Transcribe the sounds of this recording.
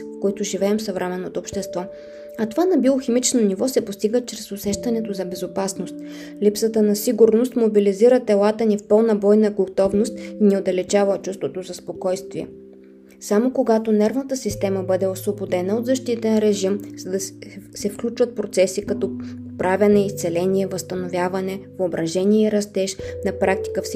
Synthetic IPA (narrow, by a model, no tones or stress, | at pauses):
fkoit̪ʊʒivɛɛmsɐvɾʔɛmɛnːot̪oːpʃt̪ɛst̪vɔ | ɐt̪ovanɐbioximit͡ʃnonivɔsɛpost̪iɡət͡ʃɾɛsosɛʃt̪ɐnɛt̪ozɐbɛzopasnost̪̚ | lipsət̪ənɐsiɡuɾnost̪mobiliziɾət̪ɛlˠat̪ənifpɤlˠnɐbɔjnəɡot̪ɔvnost̪iniod̪ɐlɛt͡ʃavət͡ʃust̪vot̪ozɐspokɔjst̪viɛ̰ | samokoɡat̪onɛɾvnət̪əsist̪ɛməbɤd̪ɛosvobod̪ɛnəod̪zɐʃt̪it̪ənɾɛʒimz̥ɐd̪ɐsɛfklʲut͡ʃvət̪̚pɾot̪sɛsikɐt̪ɔpɾavʲɐnɛist̪sɛlɛniɛvɐst̪ɐnovʲjavɐnɛvobɾɐʒɛniɛiɾɐst̪ɛʃnɐpɾʔak̚t̪i̥kəfs